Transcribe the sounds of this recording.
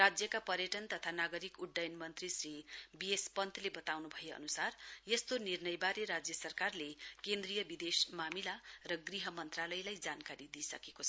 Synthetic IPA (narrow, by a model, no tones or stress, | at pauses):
rad͡zjʌkapʌrjʌʈʌnt̪ʌt̪ʰanaɡʌɾikuɖːajnmʌnt̪risribiespʌnt̪ʰlebʌt̪awnubʱʌjeʌ̰nusarjest̪onirnʌjbaɾeɾad͡zjʌsʌrkarlekend̪rijʌbid̪esmamilarʌɡriɦʌmʌnt̪ralʌjlajd͡zankaɾid̪isʌkeko